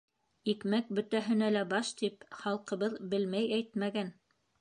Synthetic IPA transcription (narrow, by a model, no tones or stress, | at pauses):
ikmæk̚bɵ̆t̪æɦɘ̆nælæbɑʃt̪ipχɑlˠqɤ̆βɤðbɘlmæjæjt̪mæɡæn